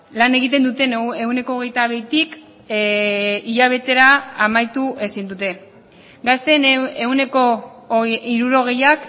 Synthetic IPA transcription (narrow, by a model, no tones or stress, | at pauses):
lane̞ɣit̪̬e̞nd̪ut̪e̞neune̞ko̞ːɣ̞e̞jt̪aβe̞jt̪ik | iʎaβ̞e̞t̪e̞ɾaːmajt̪uʔe̞sind̪ut̪e̞ | ɡast̪eneune̞ko̞ | iɾuɾo̞ɣ̞e̞jak